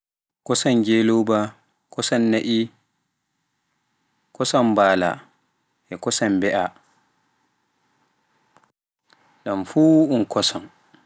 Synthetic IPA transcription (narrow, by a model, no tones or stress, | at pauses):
kɔsand͡ʒelowba | kɔsanːaʔi | kɔsambaːla̰ | ʔɛkɔsambɛʔa | ɗamfuunkɔsɔn